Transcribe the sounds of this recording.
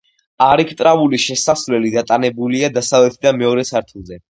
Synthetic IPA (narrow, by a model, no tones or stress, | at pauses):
aɾikʰt̪ʼɾavuliʃɛsasvlɛlid̪at̪ʼanɛbuliad̪asavlɛt̪ʰd̪amɛɔɾɛsaɾt̪ʰulˠzɛ